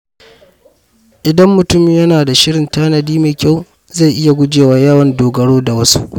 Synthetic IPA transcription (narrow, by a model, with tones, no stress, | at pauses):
ʔɪ˨dɐ˦mːʊ˨tʊ˦mɪ˨jɐ˦naː˨da˨ʃɪ˦ɽɪ˨ntaː˦nɐ˨diː˦meː˨kʲa˦˨w | za˦˨ʔɪ˦ja˨ɡʷʊ˦d͡ʒeː˨waː˦jɐ˦wɐ˨ndoː˨ɡɐ˦ɽoː˦da˨wɐ˦su˦ʔ